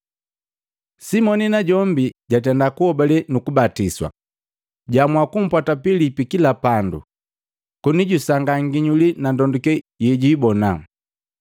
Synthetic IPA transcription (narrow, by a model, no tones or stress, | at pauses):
simɔninaɟɔmbiɟat̬ɛndakuhɔbalɛnukubatiswa̰ | ɟamwakum̩pwatapilipikilapandṵ | kuniɟusaŋɡaŋɡiɲulinandɔndukɛ | jɛɟibɔna